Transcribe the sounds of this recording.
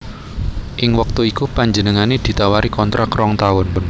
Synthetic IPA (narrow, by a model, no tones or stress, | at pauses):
ʔɪŋwək̚t̪uikupaɲd͡ʒənəŋaned̪̥i̤t̪awaɾikɔnt̪ɾʔakɾɔŋt̪aʊnn